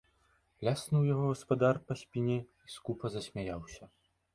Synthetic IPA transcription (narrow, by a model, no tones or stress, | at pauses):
lʲasnɨwjaɣɔɣɐspad̪arpɐsʲpʲinʲɛiskupɐzɐsʲmʲajawsʲɐ